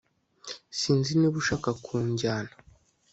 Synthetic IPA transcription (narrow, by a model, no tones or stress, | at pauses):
siːnziniβuʃaːkakʰuːɲɟaːnḁ